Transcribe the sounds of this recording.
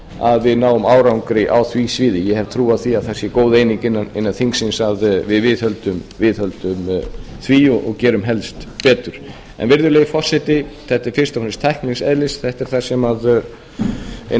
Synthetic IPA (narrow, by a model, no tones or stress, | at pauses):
a̰ðvɪðnaːwʏmaːwɾawŋkɾɪʔawθvisviːðɪjɛhɛv̥t̪ʰɾuːaðθiaðθɛsjɛkoːwðeːjniŋkɪnːanɪ̰nːanθiŋksɪnsaðvɪðvɪðhœlt̪ʏmvɪðhœlt̪ʏm | θviɔʔɔɣcɛːɾʏmɦɛlst̪pɛːt̪ʏɾ̥ | ɛ̰nvɪɾðʏɾleːjɪfɔr̥sɛt̪ɪθɛht̪ɪɾ̥fɪ̥st̪afnɪst̪ʰaɛjhknlɪsɛðlɪsθɛht̪ɪɾ̥θasɛmað